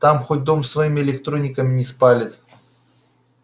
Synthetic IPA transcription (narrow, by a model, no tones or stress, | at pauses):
t̪amxot̚ʲd̪o̞msːvɐjimʲɪɪlʲɪkt̪ɾo̞nʲɪkəmʲɪnʲɪspalʲɪt̪